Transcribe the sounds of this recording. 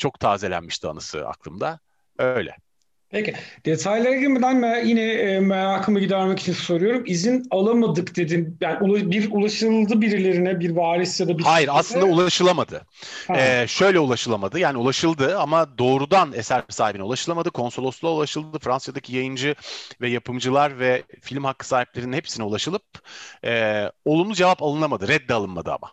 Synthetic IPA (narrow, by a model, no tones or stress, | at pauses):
t͡ʃʰo̞kt̪ʰaːzelʲæ̰nmiʃt̪ʰia̰nasɯ̰a̰klˠɯ̰md̪a | øjlʲɛ̰ | pʰecid̪̥e̞t̪ʰajlʲeɾaɡiɾmed̪ænmɛjinɛːmɛlaːkʰɯmɯɟid̪æɾmecit͡ʃʰinsøjɾyjo̞ɾumizinalˠamad̪ɯkd̪e̞d̪injaːniulˠabiɾulˠaʃɯlˠd̪ɯbiɾilʲe̞ɾinɛbiɾvaːɾisjad̪abihajiɾaslˠɯnd̪aulˠaʃɯlˠamad̪ɯ | ɛʃø̞jlʲɛulˠaʃɯlˠamad̪ɯjaːniulˠaʃɯlˠd̪ɯamad̪o̞ːɾud̪anesæɾsaːhibinɛulˠaʃɯlˠamad̪ɯkʰo̞nso̞lˠo̞slˠaulˠaʃɯlˠd̪d̪ɯfɾansjad̪acʰijajɯnd͡ʒɯvɛjapʰɯmd͡ʒɯlˠaɾvɛfilʲmhakːɯ̥saːhiplʲeɾininhepsiniulˠaʃɯlˠɯp̚ɛːo̞lˠumuzd͡ʒevapalˠɯnˠamad̪ɯɾɛd̪ːɛalˠɯnma̰d̪ɯa̰ma̰